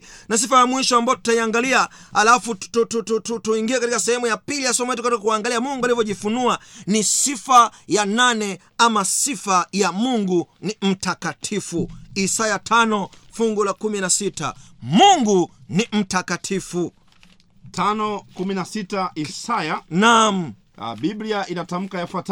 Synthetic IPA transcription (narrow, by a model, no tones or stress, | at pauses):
nas̬ifajamwiʃɔambaɔtu̥taiaŋɡaliahalafutututututuiŋɡiakatikasɛhɛmujapilijasɔɛmajɛtukatikakuwaŋɡaliamuŋɡualivjɔʄifunuanisifajananɛ | amasifajamuŋɡunim̩takatʰifuisajatʰanɔfuŋɡulakuminasita̰muŋɡunim̩takatʰifu | tʰanɔkuminasitaʔisajanam̩̰ | ɓibliaʔinatam̩kajafwat